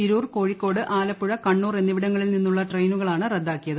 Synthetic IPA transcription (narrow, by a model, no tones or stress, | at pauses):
iɾuːrko̞ːɻikːo̞ːɽɨʔaːlɐpːuɻɐkɐɳːuːrenːiʋiɽɐŋːɐɭilninːuɭːɐʈrejnuɣɐɭaːɳɨred̪ːaːkːijɐðɨ